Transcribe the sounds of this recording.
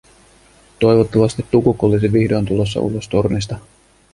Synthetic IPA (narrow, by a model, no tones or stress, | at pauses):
t̪o̞jʋot̪ːɑʋɑst̪it̪ːukukolisiʋihdoːnt̪ulo̞s̬ːɑ̰ṵlːost̪o̞rnis̬t̪ɑ